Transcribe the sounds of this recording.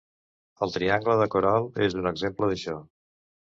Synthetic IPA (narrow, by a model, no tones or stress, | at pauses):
əlˠt̪ɾiaŋɡləðəkuɾalˠezunəɡzempləðəʃɔ